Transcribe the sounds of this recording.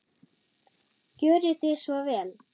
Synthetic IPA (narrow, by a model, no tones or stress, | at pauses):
cœːɾʏθɪsvɔvɛːl